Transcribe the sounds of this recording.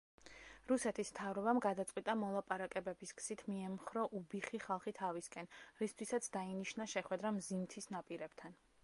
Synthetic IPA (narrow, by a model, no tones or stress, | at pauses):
ɾusɛt̪ʰismt̪ʰavɾɔbamɡad̪at̪sʼqʼwit̪ʼamɔlˠapʼaɾakʼɛbɛbiskʰʼsit̪ʰmiɛmχɾɔʔubiχiχalˠχit̪ʰaviskʼɛnɾist̪ʰwisat̪sʰd̪ainiʃnaʃɛχwɛd̪ɾamzimt̪ʰisnapʼiɾɛb̥t̪ʰan